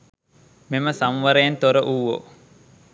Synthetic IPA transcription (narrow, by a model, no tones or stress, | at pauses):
meməsamʋəɾejent̪oɾəʔuːʋo̰